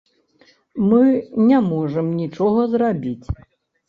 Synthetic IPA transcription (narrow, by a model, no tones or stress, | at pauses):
mɨnʲamɔʐəmnʲit͡ʂɔɣɐzrabʲit͡sʲ